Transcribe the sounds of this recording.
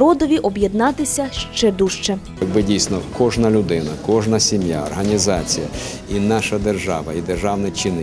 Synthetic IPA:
ɾɔd̪ɔʋʲiʔɔbjɛd̪nɑt̪ɪsʲɐʃt͡ʃɛd̪uʃt͡ʃɛ | jɐɡ̚bɪdʲijsnɔkɔʒnɐlʲʊd̪ɪnɐkɔʒnɐsʲimja̰ɔrɦɐnʲizɑt͡sʲijɐ | inɑʃɐd̪erʒɑʋɐid̪erʒɑwnɛt͡ʃɪnɪ

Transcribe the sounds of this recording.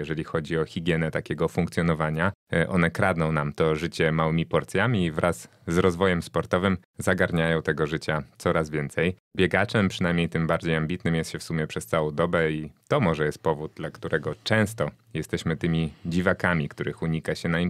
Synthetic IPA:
jɛʐɛlʲixɔd͡ʑiɔxʲiɡʲjɛnɛt̪akʲɛɡɔfuŋkt̪sʲjɔnɔvaɲaʔɔnɛkɾad̪nɔ̃w̃namt̪ɔʐɘt͡ɕɛmawɘmʲipɔɾt̪sʲjamʲivɾʔazː | ɾɔzvɔjɛmspɔɾt̪ɔvɘm | zaɡaɾɲajɔ̃w̃t̪ɛɡɔʐɘt͡ɕat̪sɔɾazvʲjɛnt̪sɛjbʲjɛɡat͡ʂɛmpʂɨnajmɲejt̪ɘmbaɾd͡ʑejambʲit̪nɘmjɛst̪ɕɛfsumʲjɛpʂɛst̪sawɔ̃w̃d̪ɔbɛit̪ɔmɔʐɛjɛst̪̚pɔvud̪̚d̪lakt̪uɾʔɛɡɔt͡ʂɛ̃w̃st̪ɔ | jɛst̪ɛɕmɘt̪ɘmʲid͡ʑivakamʲikt̪uɾɘxuɲikaɕɛnaim

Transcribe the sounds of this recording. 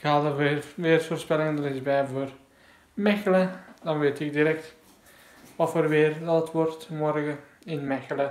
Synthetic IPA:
ɪkhɑːlˠdərʋɪːrfoːrspɛlɪŋndəɾɪzbɛjvoːr | mɛxələdɑnʋeːtɪk̚diɾɛk̚t | ʋɑtfoːrʋɪːrdɑtətʋɔrtmɔrɣə | ɪnmɛxələ

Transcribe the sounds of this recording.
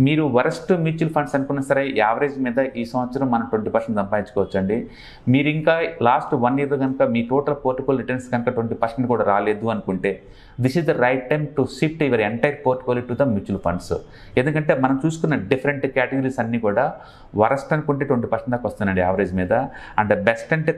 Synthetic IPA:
miːɾuʋɐɾɐsʈmjuːt͡ʃuːlpʰɐɳɖsɐnukunːɐsɐɾe̞aːʋɾeːd͡ʒmiːd̪ɐʔiːsɐmʋɐt̪sɐɾɐmːɐnɐmʈʋɐɳʈipɐɾseɳʈ̪ɐmpaːjiɲt͡ʃu̥kɔːʋɐt͡ʃːɐɳɖi | miːɾuiŋkaːlaːsʈʋɐnjiːɾlɐɡɐnukɐmiːʈoːʈɐlpoːɾʈikoːliʈɐɾnsɡɐnɐkɐʈʋɐɳʈipɐɾseɳʈkuːɽaːɾaːle̞ːd̪uɐnukuɳʈe̞ː | d̪isizd̪ɐɾɐjʈ̚ːɐjmʈusip̚ʈiʋɐɾeɳʈɐjɐɾpoːɾʈikoliʈːud̪ɐmjuːt͡ʃuːlpʰɐ̰ɳɖs | end̪ukɐɳʈe̞ːmɐnɐmt͡ʃuːsu̥kunːɐɖipʰɐɾeɳʈkaːʈeɡɐɾiːsɐnːiːkuːɽaː | ʋɐɾɐsʈɐnukuɳʈeːʈʋɐɳʈ̬ipɐɾseɳʈ̪oːkɐʋɐst̪unːɐɳɖiaːʋɐɾeːd͡ʒmiːd̪ɐ | ɐɳd̪ɐbesʈɐɳʈeː

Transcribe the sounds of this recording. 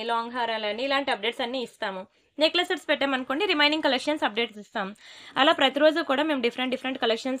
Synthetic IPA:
laːŋɡɦaːɾalɐnːiːlaːɳʈiɐp̚ɖeːʈsɐnːiːist̪aːmu | neklɐsɐʈspɛʈːeːmɐnkoːɳɖiɾimɐjɳɖiŋɡkɐlekʂɐnsɐp̚ɖe̞ːʈsist̪aːmuɐlaːpɾɐt̪iɾo̞ːd͡ʒukuːɽaːme̞ːmɖifʰɐɾeɳʈɖifʰɐɾeɳʈkɐlekʂɐns

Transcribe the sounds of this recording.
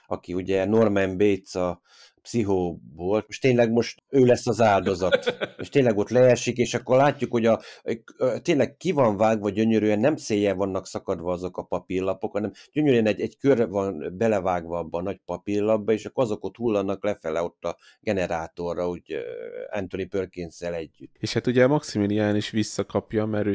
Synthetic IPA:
ɒkiuɟɛno̞rmɛmbet̪sɒ | psiɦoːboːloʃt̪eːnlɛɡmo̞ʃt̪øːlɛsːɒzaːld̪o̞zɒt̪ḛːʃt̪eːnlɛɡo̞t̪lɛɛrʃikeːʃɒkːorlaːcːukho̞ɟɒ | t̪eːnlɛkkivɒɱvaːɡʋɒɟøɲøɾyɛnːɛmseːjɛvɒnːɒksɒkɒd̪ʋɒɒzo̞kɒpɒpirlɒpo̞khɒnɛmɟ̥øɲøɾyɛnɛɟɛɟkørvɒnbɛlɛvaːɡvɒɒbːɒːnɒɟpɒpirlɒbːɒeːʃɒkːɾɒzo̞kot̪hulːɒnːɒklɛfɛlɛo̞t̪ːɒ | ɡɛnɛɾaːt̪o̞rːɒoɟɛ̰nt̪onipørkensɛlɛɟːyt̪ːeːʃhat̪uɟɛmɒksimiliaːniʃʋisːɒkɒpjɒmɛɾøː

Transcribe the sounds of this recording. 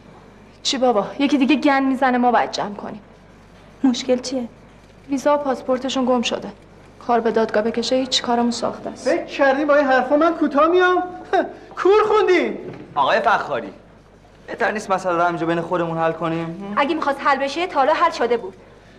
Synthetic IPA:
t͡ʃʰibɒːbɒːje̞cʰid̪iːɡeɟænmiːzænemɒːbæ̰d̪̚d͡ʒæmkʰo̞̰niːm | mo̞ʃke̞lt͡ʃʰije | viːzɒːopʰɒspʰo̞ɾt̪ʰe̞ʃunɡo̞mʃo̰d̪e | kʰɒːɾbe̞d̪ɒːd̪̚ɡɒːbe̞cʰe̞ʃehiːt͡ʃʰːi̥kʰɒːɾemunsɒ̰xt̪ʰæ̰ːsfekʰcʰæɾd̪iːmbɒːinɦæɾfomænkʰuːt̪ʰɒːhmijɒm | kʰuɾχund̪imɒːɣɒːjefæxːɒːɾḭː | b̥eht̪ʰæɾnist̪mæsælæɾhæmind͡ʒɛbe̞jnexod̪emunhælkʰo̞niːmʔæɡʲemixɒːst̪hælbe̞ʃet̪ʰɒːlɒːɦælʃod̪e̞buːd̪̥

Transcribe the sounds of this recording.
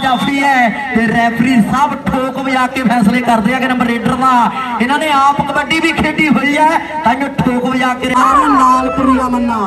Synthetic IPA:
d͡ʒaːpʰɾiːɛː | t̪eːɾɛːpʰɾiːsəbʈʰoːkʋɪd͡ʒaːkeːpʰɛːsleːkəɾd̪eːaːkenə̃mbəɾeːɖəɾd̪aː | ɪnãːnẽːaːpəŋbəɖiːbiːkʰeːɖiːɦoːiːɛː | t̪ãːd͡ʒõːʈʰoːkʋd͡ʒaːkeːnaːlkəɾuaːmənː

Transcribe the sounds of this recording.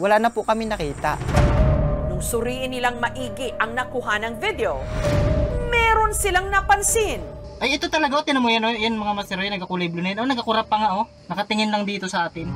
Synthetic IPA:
wɐlaːnɐpʊkɐmɪnɐkiːt̪a̰ʔ | nʊŋsʊɾiːʔɪnːɪlaŋmɐʔiːɡɪɐŋnɐkʊɦanɐŋvɪd̪ɛo | mɛːɾo̞nsɪlaŋnɐpɐnsɪn | ʔɐjɪt̪o̞t̪ɐlɐɡaʔot̪ɪnɐmujɐnnjanmɐŋamɐsɛɾojnɐɡɐkʊliblonɐjanʔonɐɡɐkʊɾapːɐŋaʔo | nɐkɐt̪ɪŋɪnlɐŋd̪iːt̪o̞sɐʔaːt̪ɪn

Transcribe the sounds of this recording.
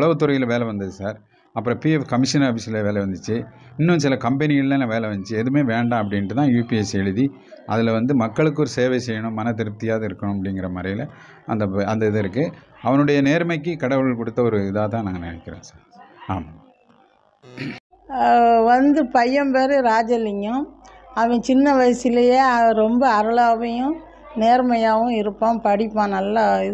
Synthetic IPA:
ʊɭɐʋɐt̪ːʊɾɐjɪlʋeːlɛʋɐnd̪ɐðɯsaːɾ | ɐpːɯɾɔ̃ːpiːɛfkɐmɪʂɐnɐfɪsɐɪlɐʋeːlɛʋɐnd̪ɯt͡ʃːɯ | ɪnːɯ̃sɪlɐkɐmpɛnɪɣɐɭlːɐ̃lɐʋeːlɐʋɐɲd͡ʒt͡ʃːɯɛðɯmeːʋeːɳɖãːɐp̬ːɐɽɪnʈːɯt̪ãːjuːpiɛsɛɻɯði | ʔɐðɪlʋɐnd̪ɯmɐkːɐɭɯkːɯɔɾɯseːʋɛɪsɛjːɐɳʊ̃mːɐnɐt̪ɪɾɯt̪ːɪjaːðɐɪɾɯkːɐɳʊ̃ɐpːɐɽɪŋɡɪɾɐmɐɾɐjɪlɐ | ɐ̰nd̪ɐɐnd̪ɐɪðɯɪɾɯk̬ːɯ | ɐʋɐnɯɽɐjɐneːɾmɐɪkːɯkɐɽɐʋɐɭɯɭkɔɽɯt̪ːɐɔɾɯɪðaːt̪ãːnaːŋɡɐnɪ̰nɛkːɪɾḛ̃ːsaːɾaːma | ʋɐnd̪ɯpɐjːɐmpeːɾɯɾaːd͡ʒɐlɪŋʊ̃ | ɐʋɐ̃t͡ʃɪnːɐʋɐjsɪlɐjeːɾɔmbɐːɾɯɭaːʋɐjʊ̃ | neːɾmɐjaːʋɯ̃ɪɾɯpːãːmpɐɽɪpːaːnɐlːaɪð

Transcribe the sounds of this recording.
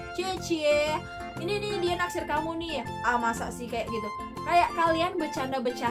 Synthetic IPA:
t͡ʃiet͡ʃie | ininɪdianaksɪrkamunɪja | amasa̰sɪhkajaʔɡit̪u | kajaʔkalianbət͡ʃanabət͡ʃa

